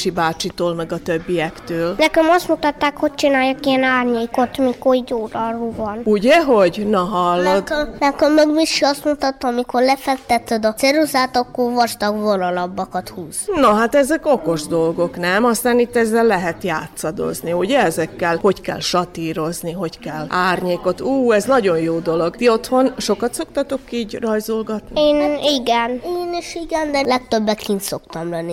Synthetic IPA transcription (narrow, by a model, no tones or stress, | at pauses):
ʃibaːt͡ʃit̪oːlmɛɡɒt̪øbːijɛkt̪øːlnɛkɛmɒst̪mut̪ɒt̪ːaːkho̞c̚t͡ʃinaːjɒkiɛnaːrɲeiko̞t̪mikoid̪oːd̪ɒruːvɒnuɟɛɦo̞ɟnɔɦɒlːod̪nɛkømøɡmiʃiɒst̪mut̪ɒt̪ːɔɒmikorlɛfɛk̚t̪ɛt̪ːød̪ɒsɛɾuzaːt̪ɒkːorvɒʃt̪ɒɡvonɒlɒbːɒkɒt̪huːznoɦat̪ɛzɛko̞ko̞ʒd̪o̞lɡo̞knɛmɒst̪aːnit̪ːɛzːɛlːɛɦɛt̪jaːt̪sɒd̪o̞̰zniuɟɛɛzɛkːɛlho̞ckɛ̰lʃɒt̪iːɾo̞zniɦo̞ckɛlaːrɲeːko̞t̪uːɛznɒɟo̞njoːd̪o̞lo̞ɡt̪iot̪ho̞nʃo̞kɒt̪so̞kt̪ɒt̪o̞kiːɟrɒjzolɡɒt̪nieːniɡɛneːniʃiɡɛnd̪ɛlɛk̚t̪øbːɛkːint̪so̞kt̪ɒmlɛnːi